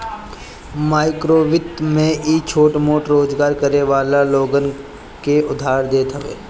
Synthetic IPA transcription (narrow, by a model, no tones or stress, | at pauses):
maːɪkɾoːʋɪt̪mẽʔit͡ʃʰoːʈmoːʈɾoːd͡ʒɡaːɾkəɾeʋaːlaloːɡən | keʊd̪ʱaːɾd̪eːt̪ɦəʋḛː